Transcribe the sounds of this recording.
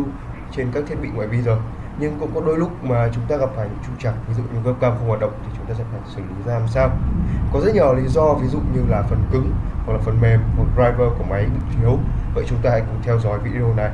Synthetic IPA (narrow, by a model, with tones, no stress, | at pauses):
t͡ɕe˧nkaː˦˥kt̪ʰi˦˥ət̚ɓḭ˧˨ŋwa̰ː˧˩jɓi˧zə˨˩j | ɲɨ˧ŋkʊ̰˧˥ŋ͡mkɔ˨˦ɗo˧jlʊ˦˥k͡p̚maː˨˩t͡ɕʊ˨˦ŋ͡mt̪aː˧ɣa˨˩p̚faː˧˩jɲɨ̰˧˥ŋt͡ɕu˧ŋ͡mt͡ɕa˨˩k̚vi˨˦zṵ˧˨ɲɨ̰˧kə˦˥p̚kaː˧mvhwaː˨˩t̚ɗə̰˧˨wŋ͡mt̪ʰi˨˩t͡ɕʊ˨˦ŋ͡mt̪aː˧sɛ̰˧˥faː˧˩jsɨː˧˩li˨˦zaː˧a˧˨˩msaː˧wkɔ˨˦zə˦˥t̚ɲɔː˨˩li˨˦zɔ˧vi˨˦zṵ˧˨ɲɨ˧laː˨˩fə˨˩nkɨ˨˧˦ŋwa˨˩k̚laː˨˩fə˨˩nme˨˩mmo˨˩t̚ɗzaː˧jvəː˧ku˧˩əma˨˦jɓḭ˧˨t̪ʰi˨˦əw | və̰˧˨t͡ɕʊ˨˦ŋ͡mt̪aː˧ha̰˧˥jkʊ˨˧˩ŋ͡mt̪ʰɛ˧wzɔ˨˦jvḭ˧˥ɗɗna˨˩j